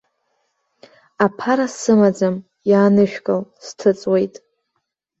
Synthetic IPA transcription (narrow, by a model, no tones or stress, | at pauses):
apʰaɾasɨmad͡zam | jaːnɨʃᶣkʼalstʰɨt͡sʼwe̞jtʼ